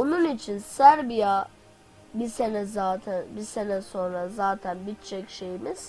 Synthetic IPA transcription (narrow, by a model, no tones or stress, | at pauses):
ununit͡ʃʰinsæɾbija | bisenɛzaːt̪ʰænbise̞nɛso̞nɾazaːt̪ʰænbit̪t͡ʃʰɛcʃe̞jimiz̥